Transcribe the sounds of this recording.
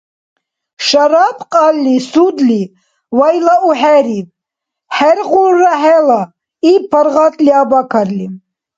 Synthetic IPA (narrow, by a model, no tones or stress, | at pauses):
ʃaɾapʰqʼalːisud̪li | wajlauħɛɾiv | ħɛɾʁuɾːaħɛla | ipʰəɾʁat̪ʼliabakʰaɾli